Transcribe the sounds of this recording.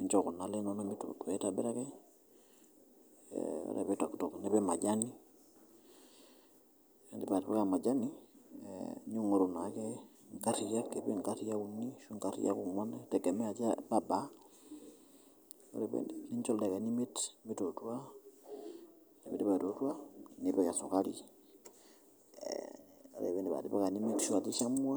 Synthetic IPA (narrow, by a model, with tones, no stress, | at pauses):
i˨ɲt͡ʃɔ˦ku˨na˨le˦nɔ˦no˦mi˦to̰˨twe˨˦ta˨bɪ˦ɾa˦kɛ˦ | o̰˦ɾḛ˨pe˦ta˨ktɔ˨knɛ˦pɛ˦ma˨d͡ʒa˦ni˦ | ɛ˨ndi˦pa˨tpɛ˦ka˨ma˨d͡ʒa˦nḭ˦ | ɲu˦ŋo˨ɾu˨na˨˦kɛ˦ŋka˦ti˨ja˦kːe˨pe˦ŋka˦ti˦ja˦ku˨ni˦ʃu˦ŋka˦tḭ˦ja̰˦ku˨ŋɔ˦nɛ˦tɛ˨ɡɛ˨mɛ˦a˨t͡ʃa˦ba˨ba˨˦ | o̰˦ɾḛ˨βḛndini˦ɲt͡ʃo˦lde˨ka˨ni˦me˦tmi˦to˨twa˦ | ne˨mḭ˨di˦βa˨to˨twa˦ni˨βeka˨so˨ka˦lḭ˦ | o̰˨ɾḛ˨βe˨ndi˨βa̰˨ti˦βa̰˦ka˨ni˦mi˦tʃu˦a˨ti˦ʃa˦mwa˦